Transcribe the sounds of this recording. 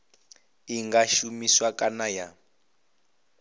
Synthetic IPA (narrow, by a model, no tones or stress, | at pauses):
iŋɡaʃumiswakʼanaja